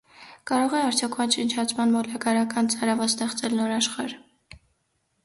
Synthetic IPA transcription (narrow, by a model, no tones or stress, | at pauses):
kɑɾɔʁɛɑɾt͡sʰjɔkʰvɑnt͡ʃənt͡ʃʰɑt͡sʰmɑnmɔlɑkɑɾɑkɑnt͡sʰɑɾɑvɑst̪ɛχt͡sɛlnɔɾɑʃχɑɾ